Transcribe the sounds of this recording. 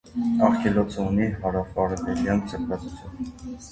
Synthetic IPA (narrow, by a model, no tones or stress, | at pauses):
ɑχkʰɛlɔt͡sʰəuniɦɑɾɑfɑɾɛvɛljɑnt͡sʰəpʰɾɑt͡sut͡sʰjun